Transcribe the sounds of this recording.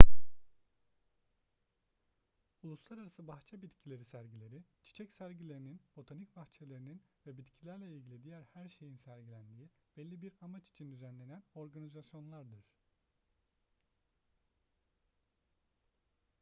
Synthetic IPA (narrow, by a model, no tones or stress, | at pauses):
ulˠuslˠaɾaɾasɯbaxt͡ʃʰabit̪cʰilʲe̞ɾisæɾɟilʲe̞ɾit͡ʃʰi̥t͡ʃʰɛcsæɾɟilʲe̞ɾininb̥o̞t̪ʰanic̚baxt͡ʃʰelʲe̞ɾininvɛbit̪cʰilʲæɾlʲɛilʲɡɟilʲid̪ijæɾhæɾʃe̞jinsæɾɟilʲænd̪iib̥ɛlʲːibiɾamat͡ʃi̥t͡ʃʰind̪yzænlʲe̞næno̞ɾɡanizasjo̞nlˠaɾd̪ɯɾ̥